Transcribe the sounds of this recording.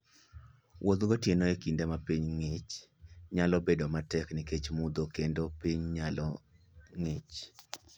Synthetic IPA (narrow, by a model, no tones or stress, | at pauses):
wʔod̪ɡotjenoekindɛmapiɲŋɪt͡ʃɲalɔbedomatɛkniket͡ʃmud̪okendopiɲɲalɔ | ŋɪt͡ʃ